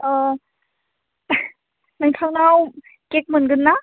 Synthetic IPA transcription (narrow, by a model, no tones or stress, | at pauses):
naŋtʰawnaw | kek̚mɯnɡɯnːa